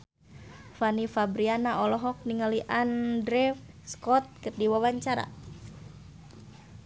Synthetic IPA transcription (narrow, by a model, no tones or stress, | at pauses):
fanifabɾianaʔɔlɔɦɔk̚niŋaliʔandɾɛf | skɔt̪̚kɨrdiwawaɲt͡ʃaɾa̰